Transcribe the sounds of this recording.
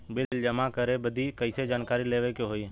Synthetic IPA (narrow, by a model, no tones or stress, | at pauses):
bɪlld͡ʒəmakəɾebəd̪ʱikəɪsed͡ʒaːnkaːɾileːʋekeɦoːi